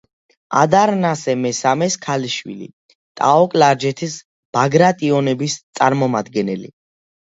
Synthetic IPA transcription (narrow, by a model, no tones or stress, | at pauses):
a̰d̪aɾnasɛmɛsamɛskʰaliʃwḭlḭ | t̪ʼa̰ɔkʼlaɾd͡ʒɛt̪ʰis | b̥aɡɾat̪ʼiɔnɛbist̪sʼaɾmɔmad̪ɡɛnɛlḭ